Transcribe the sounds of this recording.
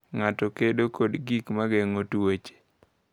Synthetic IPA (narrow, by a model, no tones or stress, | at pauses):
ŋatɔkedokodɡikmaɡeŋotwet͡ʃe̥